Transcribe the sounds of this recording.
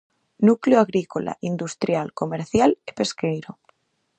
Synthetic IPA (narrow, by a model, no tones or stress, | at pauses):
nukleoaɣɾikola̰ʔind̪ust̪ɾjalko̞meɾθjale̥pe̞skejɾo